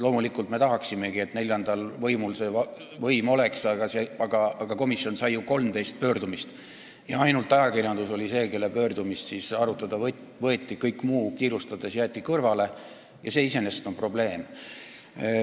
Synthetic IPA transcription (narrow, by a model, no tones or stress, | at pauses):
lo̞ːmulikult̪me̞t̪ɑɦɑksime̞ɡ̥ie̞t̪ne̞lʲjɑnd̪̥ɑlvɤjmulse̞ɑ | vɤjmo̞le̞ksɑɡɑseɑɡ̥ɑɑɡ̥ɑko̞misːjo̞nsɑjjuko̞lmt̪e̞jst̪̚pøːrd̪umist̪ | jɑɑjnult̪ːˑɑjɑkirjɑnd̪̥uso̞lʲise̞ːke̞lːepø̞ːrd̪umissisɑɾut̪ːˑɑd̪̥ɑ | vɤ̞e̞t̪ʲːˑikɤjkːmuːkiːɾust̪ɑd̪̥e̞sjæːt̪ʲˑːikɤrvɑle̞ | jɑse̞ːise̞ne̞st̪o̞npro̞ble̞ːm